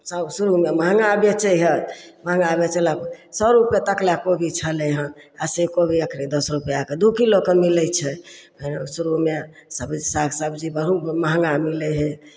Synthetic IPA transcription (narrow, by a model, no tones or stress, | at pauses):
səbsuɾumeməɦŋɡabjet͡ʃəɦəməɦə̃ŋɡabjet͡ʃəlaksəbɾupket̪əklakobʱit͡ʃʰəleɦə̃asekobʱiəkʰɾid̪əsɾupjaked̪ukilokəmilət͡ʃʰɛ | ənesuɾume | səbd͡ʒisaksəbd͡ʒibəɾ̤uməɦəŋɡamilɛɦɛ